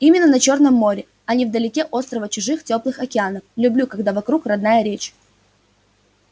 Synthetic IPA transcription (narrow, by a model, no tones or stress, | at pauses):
imʲɪnːənɐt͡ɕo̞rnəmːo̞ɾʲɪ | ɐnʲivd̪əlʲɪkʲeʔo̞st̪ɾəvət͡ɕʊʐɨxtʲo̞plˠɨxɐkʲɪanəflʲʊblʲukɐɡd̪avɐkɾukrɐd̪najəɾʲet͡ɕ